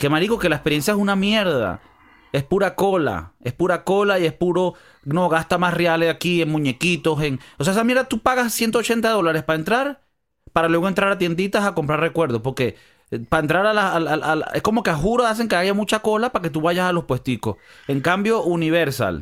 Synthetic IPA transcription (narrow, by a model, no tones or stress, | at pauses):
kemaliko̞ke̞laespeje̞nsjaesunamje̞ɾða̰ | e̞spuɾako̞la̰e̞spuɾako̞laie̞spuɾo̞ | no̞ɣast̪amasrealesakieŋmũɲe̞kit̪o̞seŋoseesamje̞ɾðat̪upaɣassje̞nt̪̬oot͡ʃe̞nt̪̬aðo̞laɾe̞spae̞nt̪ɾaɾ | paɾalwe̞ɣoe̞nt̪ɾaɾat̪̬jend̪it̪asako̞mpɾarre̞kwe̞ɾð̞o̞spo̞ɾke̞ | paent̪ɾaɾalasalalʔalaesko̞mo̞keaxuɾoas̬e̞ŋke̞aʝamũt͡ʃako̞lapake̞t̪̬uβaʝasalo̞shpwest̪ikose̞ŋkambjo̞ʔuniβ̞eɾsa̰l